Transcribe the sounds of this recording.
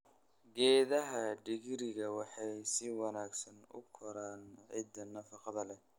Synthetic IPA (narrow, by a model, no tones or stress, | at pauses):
ɡɛːðɐɦɐɖɪɣɪɾɪɣɐwɑħɑjsɪwɑnaːɡsɐnʊ̰kʰɔɾaːnʕɪd̪ɐnɐfɑqɑðɐlɛ